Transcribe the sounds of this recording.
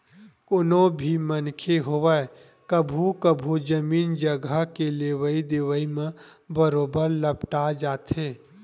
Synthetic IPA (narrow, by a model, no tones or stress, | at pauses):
koːnobʱimənkʰeɦoʋəe | kəbʱukəbʱud͡ʒəmiːnd͡ʒəɡʱəkeleʋəid̪eːʋəimẽ | bəɾoːbəɾləpʈad͡ʒaːt̪ʰe